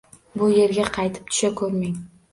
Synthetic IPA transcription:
bʊje̞ɾɡʲaqʰɑjt̪ʰɪ̥p̚t̪ʰʊ̥ʃakʰɵɾmeŋ

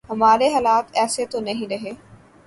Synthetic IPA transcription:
ɦɐmaːɾeɦaːlaːt̪ɛːset̪onɐɦĩɾɐɦeː

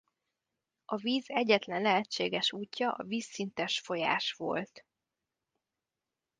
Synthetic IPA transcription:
ʔɒviːzɛɟɛt̪lɛnlɛɦɛt͡ʃːeːɡɛʃuːcːɒʔɒ̰viːsːint̪ɛʃfo̞ja̰ːʃʋo̞̰lt̪

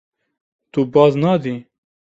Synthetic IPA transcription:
t̪ubɑːznɑːd̪iː

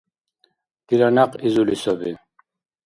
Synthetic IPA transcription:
kiɾanaqʼizulisɔbi

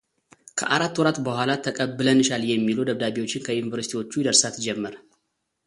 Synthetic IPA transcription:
kʰə̰ʔaɾat̪ːwɔɾat̪bəhʷalat̪ʰːəkʼəbːɨlənːɨʃaljɛmːilud̪əβd̪aβiwo̞t͡ʃːɪnkʰəjunivəɾsi̥t̪ʰiwo̞t͡ʃːud̪əɾsat̪d͡ʒɛmːəɾ

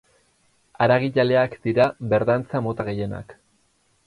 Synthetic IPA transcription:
aɾaɣiʎale̞akd̪̥iɾaβe̞ɾðant͡samo̞t̪aɣ̞e̞je̞na̰k

